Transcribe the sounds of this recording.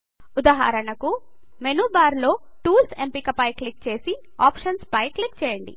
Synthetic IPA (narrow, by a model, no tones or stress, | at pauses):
ud̪aɦa̰ːɾɐɳɐku | menuːbaːɾlo̞ː | ʈuːlsempikɐpɐjklik̚t͡ʃe̞ːsi | aːpʂɐnspɐjklikt͡ʃɛːjɐɳɖḭ